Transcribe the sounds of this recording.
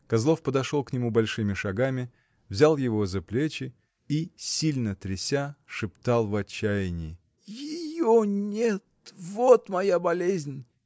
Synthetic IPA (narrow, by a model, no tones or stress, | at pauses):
kɐzlˠo̞fpəd̪ɐʂo̞lˠknʲɪmubɐlʲʂɨmʲɪʂɐɡamʲɪ | vzʲalˠjɪvo̞zɐplʲet͡ɕɪ | isʲilʲnət̪ɾʲɪsʲaʂɨpt̪ɑlˠvɐt͡ɕːæjɪnʲɪ | jɪjonʲet̪vot̪mɐjabɐlʲezʲnʲ